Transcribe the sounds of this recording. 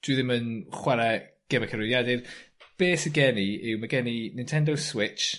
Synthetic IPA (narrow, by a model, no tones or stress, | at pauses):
d̥wɨðɪmənχwaɾɛ | ɡ̥ɛmɛkʰəɾʊðjadɪrb̥eːsəɡɛniɪwmaɡɛninɪntʰɛndoswɪt͡ʃ